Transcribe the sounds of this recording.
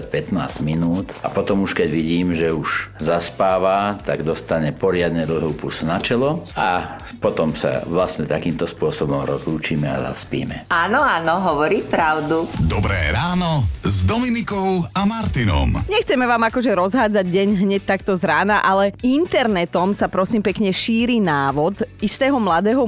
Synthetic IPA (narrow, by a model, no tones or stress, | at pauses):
cpɛt̪na̰ːzɟminuːt̪a̰pɔt̪ɔmuʃkɛɟʋiɟiːmʒɛuʒzaspaːʋat̪aɡd̪ɔst̪aɲɛpɔɾɪad̪ɲɛd̪l̩ɦuːpusnat͡ʃɛlɔa | pɔt̪ɔmsa̰ʋlastɲɛt̪akiːmt̪ɔspʊɔsɔbɔmɾɔzluːt͡ʃiːmɛa̰za̰spḭːmɛanɔanɔɦɔʋɔɾiːpɾaʊd̪ud̪ɔbɾɛ̰ːɾaːnɔzd̪ɔminikɔʊamaɾt̪inɔ̰mɲɛxt͡sɛmɛʋaːmakɔʒɛɾɔzɦaːd͡zaɟɟɛɲɦɲɛc̚t̪akt̪ɔzɾaːnaʔalɛint̪ɛɾnɛt̪ɔmsapɾɔsiːmpɛkɲɛʃiːɾiːnaːʋɔd̪ist̪ɛːɦɔmlad̪ɛːɦɔ